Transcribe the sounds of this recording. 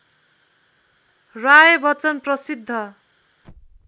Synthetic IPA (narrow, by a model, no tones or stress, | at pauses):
rajʌbʌt͡sʌnprʌsid̪ʱːʌ